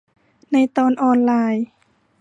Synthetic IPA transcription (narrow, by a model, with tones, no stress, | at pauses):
nɨ˧jt̪ɔː˧nʔɑːnlaː˧j